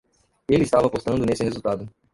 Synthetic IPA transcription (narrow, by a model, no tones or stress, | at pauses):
elɪːst̪avɐapost̪ɐ̃nd̪ʊnesɪhezuwt̪ad̪ʊ